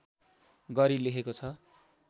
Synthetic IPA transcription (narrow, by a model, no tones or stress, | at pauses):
ɡʌɾileɦʰekot͡sʰʌ